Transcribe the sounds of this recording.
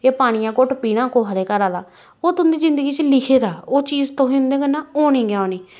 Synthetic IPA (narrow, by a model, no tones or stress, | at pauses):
eːpaːɽ̃ijãːkʊʈpiːɽãːkoːɦaɾeːkəɾaːd̪aː | oːt̪ʊnd̪iːzɪnd̪əɡiːt͡ʃəlɪkʰeːd̪aːoːt͡ʃiːzt̪õːɦɪnd̪ẽːkənːãːoːɽĩːɡjaːoːniː